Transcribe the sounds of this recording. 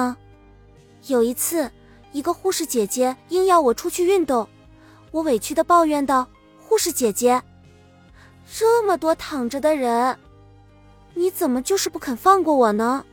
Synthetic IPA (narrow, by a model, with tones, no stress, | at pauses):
jo˨˩ʊi˧˥t͡sʰɹ̩˥˩ | i˧˥ɡə˧xu˥˧ʂɻ̩˥˩t͡ɕjɛ˨˩t͡ɕjɛ˥i˥ŋjɑ˥˩ʊwɔ˨˩ʈ͡ʂʰu˥t͡ɕʰy˥˧y˥˧nt̪ʊ˥˩ŋ | wɔ˧˥we˨˩ɪt͡ɕʰy˥˧d̪ə˨pɑ˥˧ʊɥɛ˥˧nt̪ɑ˥˩ʊ | xu˥˧ʂɻ̩˥˩t͡ɕjɛ˨˩t͡ɕjɛ˥ | ʈ͡ʂɤ˥˩mə˨˩t̪wɔ˥t̪ʰɑ˨˩ŋʈ͡ʂə˧d̪ə˨ɻə˧˥n | ni˧˥t͡sə˨˩nmə˦t͡ɕjo˥˧ʊʂɻ̩˥˧pu˥˩kʰə˨˩nfɑ˥˧ŋkwɔ˥˩wɔ˨˩nə˦